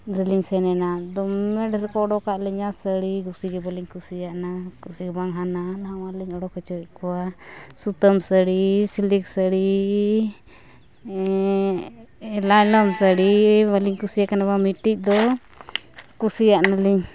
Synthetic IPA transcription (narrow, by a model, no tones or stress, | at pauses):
ɾɛliɲsɛnɛnad̪ɔmːɛɖɾɛkɔɔɖɔkaʔlɛɲasəɽiɡusiɡɛbəliɲkusijaʔnakusiɡɛbaŋɦananawaliɲɔɽɔkɔt͡ʃɔɛkɔwasut̪əmsəɽisiliksəɽi | lalɔmsəɽibəliɲkusijakanabamiʈːic̚d̪ɔ | kusijaʔnaliɲ